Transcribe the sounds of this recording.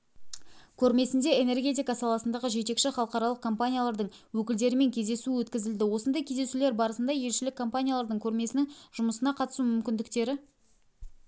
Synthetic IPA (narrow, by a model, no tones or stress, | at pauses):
kʲʰɵɾme̞sɪnd̪e̞ene̞rɡʲe̞t̪̬ijkɑsɑlˠɑsənd̪ɑʁəʒe̞t̪e̞kʃɪχɑlˠəqɑɾɑlˠəq̚kʰompanʲijalˠɑɾd̪əɴwɵkʲɪld̪e̞ɾɪme̞ŋkʲʰe̞zd̪e̞suɪwɵt̪kʲɪzɪld̪ɪwo̞sənd̪ɑjkʲʰe̞zd̪e̞sule̞ɾbɑɾəsənd̪ɑje̞lʃɪlɪkʰːo̞mpanʲijalˠɑɾd̪əɴkʲʰɵɾme̞sɪnɪŋʒ̥ʊməsənɑqʰɑt̪ə̥sumʏmkʲɪnd̪ɪkt̪e̞ɾɪ